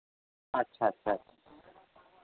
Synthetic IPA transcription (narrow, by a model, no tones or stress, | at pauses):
ɐtːʃʰaɐtːʃʰaɐtʰḁ